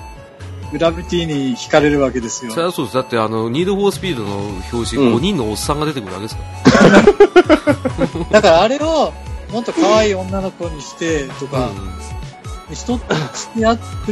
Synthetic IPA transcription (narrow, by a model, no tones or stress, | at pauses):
ɡɯ̟ɾabɯ̟t̪ʲiːɲ̟içi̥kaɾe̞ɾɯ̟βake̞d̪e̞sɨjosoɾasoːd̪esd̪at̪ːe̞ano̞ɲ̟iːd̪oɸoːsɨ̥pʲiːd̪o̞no̞ço̞ːɕiɡo̞ɲ̟ĩnːo̞ːsːãŋɡad̪et̪ekɯɾɯa̰ɡeesɨka | d̪akaɾaːɾe̞o̞nõt̪okʰaβaiːõ̞nːano̞ko̞ɲ̟iɕi̥t̪e̞t̪o̞ka | nçi̥t̪o̞sɨ̥ia